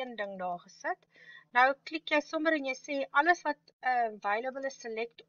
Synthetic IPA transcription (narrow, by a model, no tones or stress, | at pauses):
əndəŋdɑːχəsət | nəwklikjəjsɔməɾənjəjseːʔɐləsvɐt | əvɐjləbələsəlɛkt